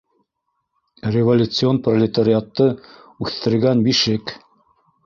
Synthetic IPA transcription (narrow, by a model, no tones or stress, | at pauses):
rʲevolʲut̪sɨo̞nprɐlʲɪt̪aɾʲɪat̪ːɤ | ʉθt̪ɘ̆ɾɡænbiʃɘk